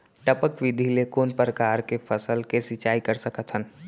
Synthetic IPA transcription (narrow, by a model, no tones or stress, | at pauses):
ʈəpəkʋɪd̪ʱilekoːnpɾəkaːɾkepʰəsəlkesɪt͡ʃaːikəɾsəkət̪ʰɦən